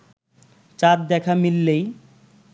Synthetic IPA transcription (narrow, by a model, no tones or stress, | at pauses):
t͡ɕat̪̚d̪ɛkʰamilːej